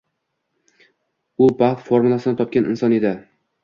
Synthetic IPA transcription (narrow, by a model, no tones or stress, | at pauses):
ʊbaht̪foɾmulˠasɪnɪt̪ʰɒp̚kʲanɪ̰nsɒne̞d̪ɪ